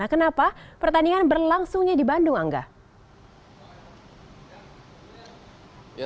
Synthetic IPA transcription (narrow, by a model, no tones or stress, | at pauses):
akənapapərt̪aniŋanbərlaŋsʊŋɲadibandʊŋaŋɡa̰